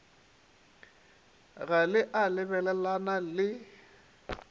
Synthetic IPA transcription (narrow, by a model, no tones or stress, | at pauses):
ɣalɪʔalɪβɛlɛlanalɪ